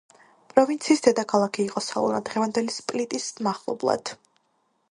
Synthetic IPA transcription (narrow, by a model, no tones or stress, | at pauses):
pʼɾɔvint̪sʰiːsd̪ɛd̪akʰalˠakʰiːqʼɔsalˠɔ̰nad̪̥ʁɛvand̪ɛlispʼlit̪ʼismaχlˠɔ̰blˠa̰d̪̥